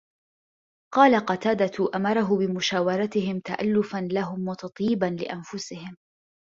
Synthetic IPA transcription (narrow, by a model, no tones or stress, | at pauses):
qɑːlaqɑt̪aːd̪at̪ʊʔamɑɾˤɑɦʊbɪmʊʃaːwɑɾˤɑt̪ɪhɪmt̪aʔa̰lːʊfanlaɦʊmwɑt̪ɑt̪ˤjiːbanlɪ̰ʔanfʊsɪhɪm